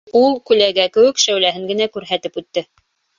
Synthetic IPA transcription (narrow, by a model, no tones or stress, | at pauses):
ulˠkʉlæɡækɘ̆wɘ̆kʃæwlæɦɘŋɡɘ̆nækʉɾɦæt̪ɘpʉt̪ːɘ